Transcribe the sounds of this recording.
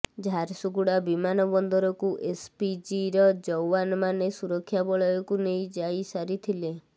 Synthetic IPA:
d͡ʒʱaɾsuɡuɽabimanɔbɔnd̪ɔɾɔkuʔespid͡ʒiɾɔd͡ʒɔwanmanesuɾɔkʰːjabɔɭɔjɔkunejd͡ʒajsaɾit̪ʰile

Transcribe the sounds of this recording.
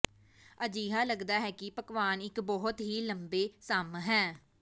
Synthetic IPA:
əd͡ʒiːɦaːləɡd̪aːɦɛːkɪpəkʋaːnɪkbɔɦʊt̪ɦiːləmbeːsamɦɛ̃ː

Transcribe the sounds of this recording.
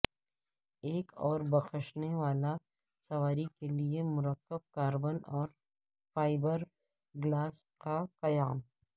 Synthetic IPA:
eːkɔːɾbɐxəʃneʋaːla | sɐʋaːɾikeliemʊɾəkːəb̚kaːɾbənɔːɾ | faːɪbəɾ | ɡlaːskaqɐjaːm

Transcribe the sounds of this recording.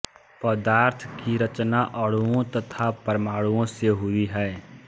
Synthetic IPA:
pəd̪aːɾt̪ʰkiɾət͡ʃnaʔəɽuõt̪ət̪ʰapəɾmaːɽuõseɦʊiɦɛː

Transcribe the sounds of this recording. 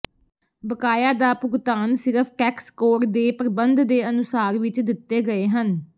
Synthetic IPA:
bəkaːjaːd̪aːpʊɡt̪aːnsɪɾəpʰʈɛːkskoːɾd̪eːpɾəbənd̪d̪eːənʊsaːɾʋɪt͡ʃd̪ɪt̪ːeːɡəeːɦən

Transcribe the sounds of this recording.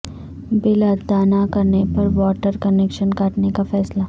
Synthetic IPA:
bɪləd̪aːnakɐɾnepɐɾʋɔːʈəɾkɐneːkʃənkaːʈnekafɛːslaː

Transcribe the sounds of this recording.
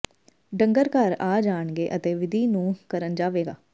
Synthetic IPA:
ɖəŋɡəɾkəɾaːd͡ʒaːɳɡeːʔət̪eːʋɪd̪ʱiːnũːkəɾənd͡ʒaːʋeːɡa̰ː

